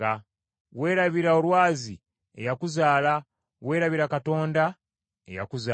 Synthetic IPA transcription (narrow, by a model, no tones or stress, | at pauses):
a | we̞ːɾaβiɾao̞lwaːzi | e̞jakuzaːla | we̞ːɾaβiɾakato̞ːnda | e̞̰ja̰kuza